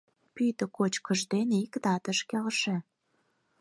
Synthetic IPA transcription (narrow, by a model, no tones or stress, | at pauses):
pyjt̪ə̆kot͡ɕkə̆ʒd̪enikd̪ɑt̪əʃkelʃĕ